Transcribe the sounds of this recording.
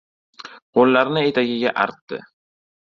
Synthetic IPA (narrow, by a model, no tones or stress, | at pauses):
qʰolːaɾnɪe̞t̪ʰaɡʲɪɡʲaʔaɾt̪ːɪ̰